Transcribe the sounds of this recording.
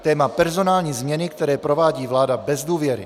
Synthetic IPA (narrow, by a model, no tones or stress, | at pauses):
t̪ɛːmapɛɾzo̞naːlɲiːzmɲɛnɪkt̪ɛɾɛːpɾo̞vaːɟiːvlaːdabɛzduːvjɛɾɪ̰